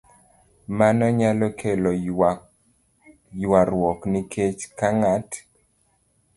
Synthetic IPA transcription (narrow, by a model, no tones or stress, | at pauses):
manɔɲalɔkʰelɔ | jwaɾwɔknɪket͡ʃkaŋat